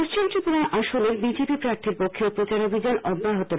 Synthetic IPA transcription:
oʃt͡ɕʰint̪ɾip̪uɾaʔaʃoneɾbid͡ʑepipɾaɾt̪ʰiɾpokʰːeupot͡ɕaɾobʱid͡ʑanʔɔbʱːaɦot̪o

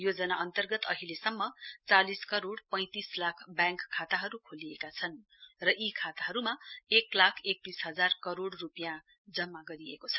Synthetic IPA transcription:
jod͡zʌnaʔʌnt̪ʌrɡʌt̪ʌɦilesʌmːʌt͡saliskʌɾoɽpʌ̃j̃t̪islakʰbjãŋkʰːat̪aɦʌɾukʰoliekat͡sʰʌn | rʌʔikʰat̪aɦʌɾumaeklakʰek̚t̪isɦʌd͡zarkʌɾoɽrupjã | d͡zʌmːaɡʌɾiḛkot͡sʰʌ̥

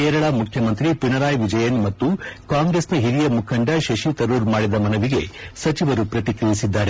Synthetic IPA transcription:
keːɾɐɭɐmukʰjɐmɐnt̪ɾipinɐɾaːjʋid͡ʒɐjɐnmɐt̪ːukaːŋɡɾesnɐɦiɾijɐmukʰɐɳɖɐʃɐʃit̪ɐɾuːɾmaːɽid̪ɐmɐnɐʋiɡe̞̰sɐt͡ʃiʋɐɾupɾɐt̪ikɾijisid̪ːaːɾe

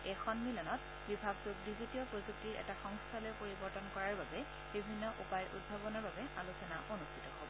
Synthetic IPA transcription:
ɛxʰɔnmilɔnɔt̚ | bibʱaɡzuk̚dizitijɔpɹozuk̚tiɹʔɛ̰taxɔŋstʰalɔjpoɹibɔɹtɔnkɔɹaɹbabɛ | bibʱinːɔʔupajɹʔṵd̚bʱabɔnɔɹbabɛa̰lusɔnaʔonustʰitɔhɔbɔ

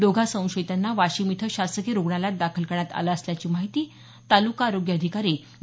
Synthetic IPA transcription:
d̪oɡʱasə̃w̃ɕəjt̪anːaʋaɕimit̪ʰəɕast̪əkeɾoɡɳalat̪̚d̪akʰəlkəɳ̃at̪a̰laəsljat͡ɕiːmaɦit̪iː | t̪alukaːɾoɡjəəd̪ʱikaɾi

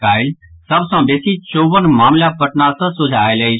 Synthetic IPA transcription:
aːɪlsəbsãbeːsit͡ʃoːbənmaːmlapɐʈnasəsʊd͡ʒʱaːelei

